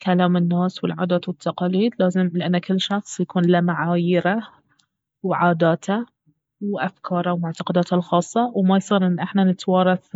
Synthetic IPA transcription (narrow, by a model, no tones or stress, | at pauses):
kalaːmɪnːaːswɪlʕaːd̪aːt̪wɪt̪ʰːɑqɑːliːd̪laːzɪmlɪʔanːakɪlːʃɑxsˤjakuːnlamaʕaːjɪɾa | wʕaːd̪aːt̪ʰa | wʔafkʰɑːɾˤawmʊʕt̪aqɑd̪aːt̪alxɑːsˤːɑwmajsˤiːɾʔɪnːʔɪħnanɪt̪wɑːɾˤɑθ